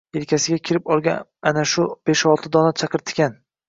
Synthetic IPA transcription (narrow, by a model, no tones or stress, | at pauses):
elkʲʰasɪɡʲakʲʰɪɾɪpɒlˠɡʲaanaʃʊb̥eʃɒlˠt̪ʰɪd̪ɒnat͡ʃʰɑqɨɾt̪ʰɪ̥kʲan